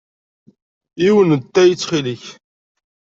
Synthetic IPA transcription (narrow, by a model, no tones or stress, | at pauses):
iwənt̪ːæjət͡sːχiliç